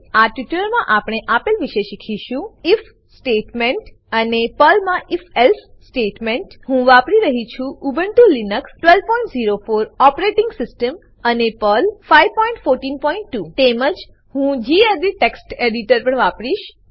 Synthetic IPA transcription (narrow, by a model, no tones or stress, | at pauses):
aʈʋiʈləɾmãʔapɽ̃eʔapilʋiʃeʃikʰiʃũif | sʈeʈmeɳʈ | ənepəlmãʔifelf | sʈeʈmeɳʈɦũʋapɾiɾəɦit͡ʃʰũubʱəɳt̪ũlinəksʈʋelʋpɔĩɳʈziɾofoɾɔpɾeʈɪŋɡsɪsʈəm | ənepəlfaiʋpɔiɳʈfoɾʈinpɔiɳʈːut̪eməd͡ʒ | ɦũd͡ʒied̪iʈeksʈeɽiʈəɾpəɳʋapɾiʃ